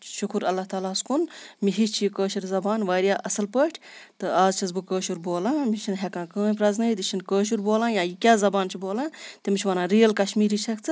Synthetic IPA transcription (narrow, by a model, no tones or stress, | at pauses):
ʃukʰuɾɐlːaːt̪aːlaːskunmiɦit͡ʃt͡ʃʰijkəːʃiɾzɐbaːnʋaːɾjaːʔɐsɐlpəʈʰʲt̪ɨaːzt͡ʃʰɐzbɨkəːʃuɾboːlãːmiʃʰinɦɛkãːkə̃ːnpɾɐznɐit̪iʃʰinkəːʃ̬uɾboːlãːjãːjikʲaːzɐbaːnt͡ʃʰiboːlãːt̪imit͡ʃʰʲʋɐːnãːɾijɐlkɐʃmiːɾiːt͡ʃʰɐkt͡sʰɨ